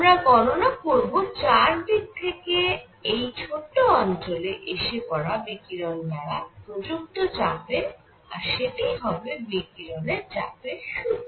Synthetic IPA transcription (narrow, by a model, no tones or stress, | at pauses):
amɾaɡɔnonakoɾbot͡ɕaɾɖik̚t̪ʰeke | ejt͡ɕʰoʈːoɔnt͡ɕoleʔeʃepɔɾabekiɾɔnmaɾapɾod͡ʑuk̚t̪ot͡ɕabe | aɾʃeʈiɦɔbebekiɾɔneɾt͡ɕapeʃu